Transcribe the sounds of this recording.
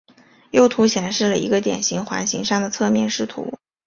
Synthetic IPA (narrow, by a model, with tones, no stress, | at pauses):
jo˥˩ʊt̪ʰu˧˥ɕjɛ˨˩nʂɻ̩˥˩lə˩ḭ˧˥ɡə˧t̪jɛ̰˨˩nɕi˧˥ŋxwa̰˧˥nɕi˧˥ŋʂɑ˥˩ŋd̪ə˩t͡sʰɤ˥˧mjɛ˥˧nʂɻ̩˥˩t̪ʰṵ˧˥